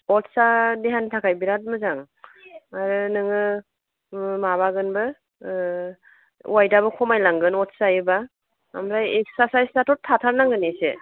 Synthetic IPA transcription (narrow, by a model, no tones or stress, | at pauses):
ɔtsadeɦantʰakʰajbiɾat̚mɯzaŋ | aɾɯnɯŋɯ | maβaɡɯnbɯ | wajdabɯkʰɔmajlaŋɡɯnɔt̚sajɯba | a̰mɾajek̚sasajstatɔtʰatʰaɾnaŋɡɯnese